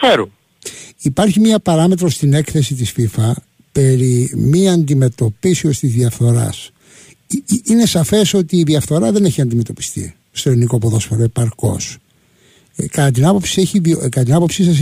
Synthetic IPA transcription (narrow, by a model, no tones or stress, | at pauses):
feɾu | ipɐɾçimɲɐpɐɾɐme̞t̪ɾost̪ine̞kθe̞sit̪isfifɐ | pe̞ɾimiɐnd̪ime̞t̪o̞pisio̞st̪izðiɐfθo̞ɾɐ̰s | ine̞sɐfe̞so̞t̪iːðiɐfθo̞ɾɐðe̞neçiɐnd̪ime̞t̪o̞pi̥st̪ḭ | st̪oeɾinikopoðo̞sfeɾoepɐɾko̞̰s | kɐt̪ɐt̪̬inɐpo̞psieçiviokɐt̪ɐt̪̬inɐpo̞psisɐs